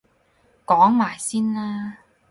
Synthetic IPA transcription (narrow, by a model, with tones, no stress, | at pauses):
kɔː˨˥ŋmaː˨˩jsiː˥nlaː˥